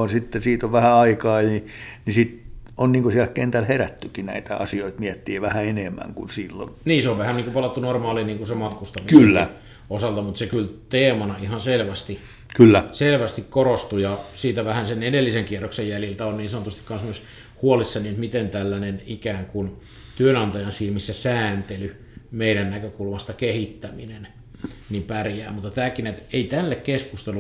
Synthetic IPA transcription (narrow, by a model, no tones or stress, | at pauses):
ɑnsit̪ːesiːt̪oʋʋæhæɑikɑːjinisit̪onniːŋkosiælkkent̪ælheræt̪ːykinæ̰it̪æɑ̰sioit̪miɛt̪ːiːʋæhæenemːæ̰ŋkunsiːlːo̰nniːseoʋʋæhænniːŋkupɑlɑt̪ːunormɑːliniːŋkusemɑt̪kust̪ɑmikylːæ | osɑlt̪ɑmut̪sekylt̪eːmɑnɑihɑnselʋæst̪i | kylːæselʋæst̪ikkorost̪ujɑsiːt̪æʋæhænsenedelːiseŋkieroksejjæljilt̪æonniːnsɑnot̪ust̪i̥kɑnsnuis | huolisːɑniet̪mit̪ent̪ælːænenikæːŋkun | t̪yønɑnt̪ɑjɑnsilmisːæsæːnt̪ely | meiɾænnækøkulmɑst̪ɑkehit̪ːæminen | nimpærjæ̰ːmut̪ːɑt̪æːkinet̪eit̪ælːekkeskust̪elu